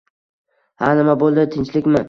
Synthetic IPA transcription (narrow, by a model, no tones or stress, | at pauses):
hanɪmabolˠd̪ɪt̪ʰɪnt͡ʃlɪkʲmɪ